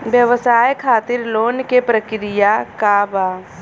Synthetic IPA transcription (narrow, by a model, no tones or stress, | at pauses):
bjəʋəsaːjkʰaːt̪ɪɾloːnkepɾəkɾɪjakaba